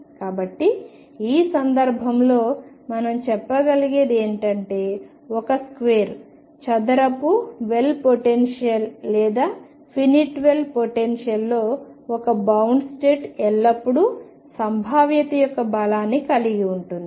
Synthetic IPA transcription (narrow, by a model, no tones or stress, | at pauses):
kaːbɐʈːi | iːsɐnd̪ɐɾbʱɐmlo̞ː | mɐnɐmt͡ʃɛpːɐɡɐliɡed̪e̞ːɳʈɐɳʈe̞ː | ɔkɐskʋeːɾ | t͡ʃɐd̪ɐɾɐpuʋelpoʈenʂijɐlːɛːd̪aː | pʰiniʈʋe̞lpoʈenʂjɐlːo̞ːɔkɐbɐwɳɖsʈeːʈɛlːɐpːuɽu | sɐmbʱaːʋjɐt̪ɐjɔkːɐbɐlaːnːikɐliɡiuɳʈund̪ii